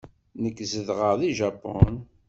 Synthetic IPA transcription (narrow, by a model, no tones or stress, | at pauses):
nəkːzəðʁəʁðiʒɑpːo̰n